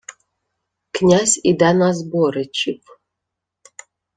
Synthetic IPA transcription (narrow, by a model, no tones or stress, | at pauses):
knʲazʲid̪anazboɾɨt͡ʃip